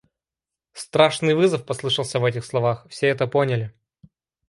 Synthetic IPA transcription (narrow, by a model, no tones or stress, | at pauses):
st̪ɾaʂnɨjvɨzəfpɐslˠɨʂəlˠsʲəvɛt̬ʲɪxslˠɐvaxfsʲeɛt̪əponʲəlʲɪ